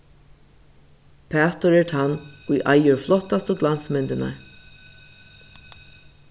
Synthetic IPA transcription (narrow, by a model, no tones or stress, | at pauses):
pʰæːt̪ʊɾɛt̪ʰanːujʔa̰jəɹflɔt̪ːast̪əɡlansmɛnt̪ɪna̰